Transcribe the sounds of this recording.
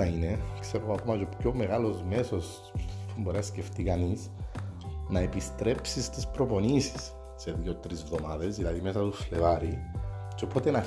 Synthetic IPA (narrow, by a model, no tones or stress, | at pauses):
ɐine̞kse̞ɾoɣoɐko̞mɐcopco̞me̞ɣalo̞zme̞so̞s | pumboɾisce̞ft̪ikɐnis | nɐepist̪ɾe̞psist̪ispɾo̞ponisi̥sː | eðʝot̪ɾizvðo̞maðe̞zðilɐðime̞sɐt̪uslevɐɾit͡ʃo̞po̞t̪enɐ